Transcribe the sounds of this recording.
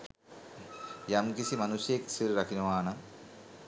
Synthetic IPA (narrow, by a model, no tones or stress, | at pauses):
jɐmkisimɐnusjeksiɾɾɐkʰinumaːnɐ